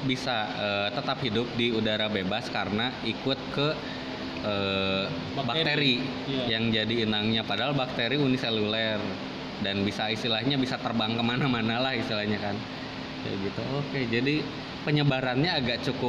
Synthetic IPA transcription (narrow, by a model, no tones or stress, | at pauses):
bisaəːt̪ət̪aphidʊp̚diudaɾabebaskaɾənaikʊt̪̚kə | əː | bakt̪eɾi | jaŋd͡ʒadiːnaŋɲapadaɦalbak̚t̪eɾiuniselulɛr | danbisaist̪ilahɲabisat̪ərbaŋkəmanamanalahist̪ilahɲakan | ja̰ɡit̪uoked͡ʒadi | pəɲəbaɾanɲaːɡaʔt͡ʃukʊp̚